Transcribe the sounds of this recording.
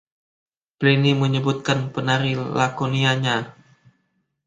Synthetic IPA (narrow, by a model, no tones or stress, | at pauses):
pliniməɲəbut̪̚kanpənaɾilakoniaɲa